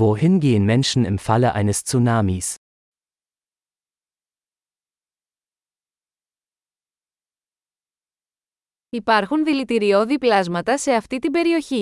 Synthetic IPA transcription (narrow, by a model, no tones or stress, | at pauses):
vohɪnɡeːənmɛnʃn̩ɪ̰mfaləʔa̰ɪnəst͡sunamis | ipɐɾxunðilit̪iɾio̞ðiplɐzmɐt̪ɐse̞ɐft̪it̪imbe̞ɾio̞çi